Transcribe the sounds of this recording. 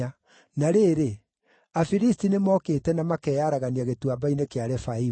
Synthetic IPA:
a | naɾeːɾe | afiɾistinemɔːkeːtɛnamakɛjaɾaɣaniaɣetuabainekeaɾɛfai

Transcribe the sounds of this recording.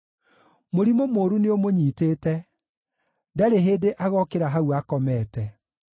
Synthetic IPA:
moɾimomoːɾuneomoɲiːteːtɛ | ndɛɾeɦeːdeʔaɣɔkeɾaɦauakɔmɛːtɛ

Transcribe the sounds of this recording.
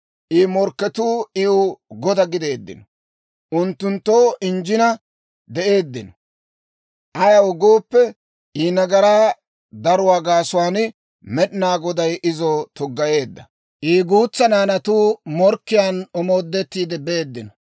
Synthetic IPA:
ʔiːmɔɾkːɛt̪uːɪʊɡɔd̪ɐɡɪd̪e̞ːd̪ːɪ̰nɔ | ʔʊnt̪ːʊnt̪ːoːʔɪnd͡ʒɪnɐ | d̪ɛʔe̞ːd̪ːɪnɔ̥ | ʔɐjɐwɔɡoːpːɛ | iːnɐɡɐɾaː | d̪ɐɾʊwaːɡaːsʊwaːnɪ | mɛɗɪnaːɡɔd̪ɐjʔɪzɔːt̪ʊɡːɐje̞ːd̪ːɐ̰ | ʔiːɡuːt͡sːɐnaːnɐt̪uːmɔɾkːɪjaːnɔmo̞ːd̪ːɛt̪ːiːd̪ɛbeːd̪ːɪnɔ

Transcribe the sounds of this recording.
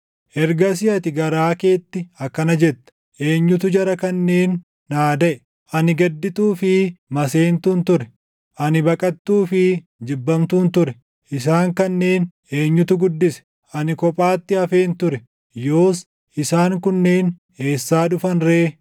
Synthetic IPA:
ʔɛɾɡɐsɪɐt̪ɪɡɐɾaːke̞ːt̪ːɪɐkːɐnɐd͡ʒɛt̪ːɐ̥ | ʔe̞ːɲːʊt̪ʊd͡ʒɐɾɐkɐnːe̞ːnː | aːd̪ɐʔɛ | ʔɐnɪɡɐd̪ːɪt̪uːfɪmɐse̞ːnt̪uːnt̪ʊɾɛ | ʔɐnɪbɐkʼɐt̪ːuːfɪ | d͡ʒɪbːɐmt̪uːnt̪ʊɾɛ | ʔɪs̬aːŋkɐnːe̞ːn | e̞ːɲːʊt̪ʊɡʊd̪ːɪsɛ̥ | ʔɐnɪkɔpʼaːt̪ːɪɐfe̞ːnt̪ʊɾɛ | jo̞ːs | ʔɪsaːŋkʊnːeːn | e̞ːsːaːᶑʊfɐnɾe̞ː

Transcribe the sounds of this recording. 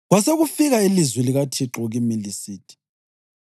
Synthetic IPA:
ɣwaseɣufiɣailizwiliɣatʰiǁɔɣimilisiːtʰi̥

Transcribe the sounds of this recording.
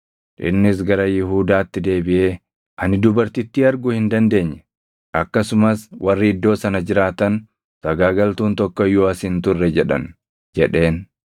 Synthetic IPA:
ᶑɪ̰nːɪs̬ɡɐɾɐjɪɦuːd̪aːt̪ːɪd̪e̞ːbɪʔe̞ː | ʔɐnɪd̪ʊbɐɾt̪ɪt̪ːɪɐɾɡʊhɪnd̪ɐnd̪e̞ːɲːɛ̥ | ʔɐkːɐsʊmɐswʔɐrːɪɪd̪ːo̞ːsɐnɐd͡ʒɪɾaːt̪ɐn | sɐɡaːɡɐlt̪uːnt̪ɔkːɔjːoːɐshɪnt̪ʊrːɛd͡ʒɛᶑɐ̰n | d͡ʒɛᶑe̞ːn

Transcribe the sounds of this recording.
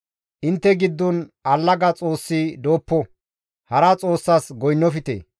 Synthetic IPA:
ʔɪnt̪ːɛɡɪd̪ːɔnɐlːɐɡɐt͡sʼo̞ːsːid̪oːpːɔ | hɐɾɐt͡sʼo̞ːsːasɡɔjnːɔfɪt̪ḛː

